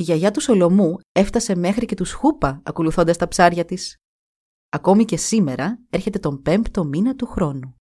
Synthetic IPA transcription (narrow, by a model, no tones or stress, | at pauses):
iʝɐʝɐt̪uso̞lo̞mue̞ft̪ɐse̞me̞xɾice̞t̪usxupɐɐko̞luθo̞nd̪ɐst̪ɐpsɐɾʝɐt̪is | ɐko̞mice̞sime̞ɾɐe̞ɾçe̞t̪e̞t̪o̞mpe̞mpt̪o̞minɐt̪uxɾo̞nu